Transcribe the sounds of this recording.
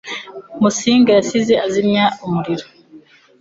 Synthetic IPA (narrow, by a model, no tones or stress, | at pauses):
musiːŋɡajasizeazimɲaumuɾiɾo